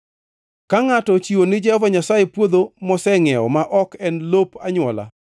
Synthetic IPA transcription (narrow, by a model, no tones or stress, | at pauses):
kaŋatɔt͡ʃiwonɪd͡ʒɛhɔvaɲasajepwod̪omɔsɛŋɛɔ̰maʔɔkɛnlopaɲwɔla̰